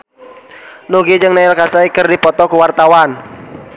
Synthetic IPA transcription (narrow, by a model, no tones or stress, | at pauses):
nuɡid͡ʒɨŋnaɪlkasaikərdipɔt̪ɔkuwart̪awan